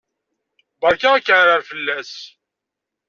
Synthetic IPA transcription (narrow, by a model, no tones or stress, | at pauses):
bɑɾkːaækːəʕɾəɾfəlːæs